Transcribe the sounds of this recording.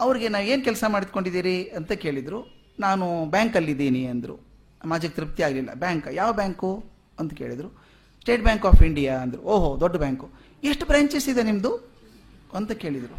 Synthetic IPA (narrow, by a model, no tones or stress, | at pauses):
ɐʋɐɾiɡe̞naːʋeːnkɛlsɐmaːɽit̪̚ko̞ɳɖid̪iːɾiɐnt̪ɐke̞ːɭid̪ɾu | naːnubaːŋkɐlːid̪iːniɐnd̪ɾṵ | maːd͡ʒɐk̚t̪ɾip̚t̪ijaːɡlilːɐ̰baːŋkjaːʋɐbjaːŋku | ɐnt̪uke̞ːɭid̪ɾu | sʈe̞ːʈ̚bjaːŋkaːpʰiɳɖijaːɐnd̪ɐɾṵoːɦod̪ɔɖːɐbjaːŋku | eʂʈubɾaːɲt͡ʃesid̪enimɐd̪u | ɐnt̪ɐke̞ːɭid̪ɾu